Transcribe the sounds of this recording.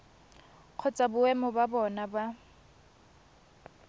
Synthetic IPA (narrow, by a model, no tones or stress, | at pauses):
q͡χʰɔt͡sʼabʊɛmɔbabɔnaba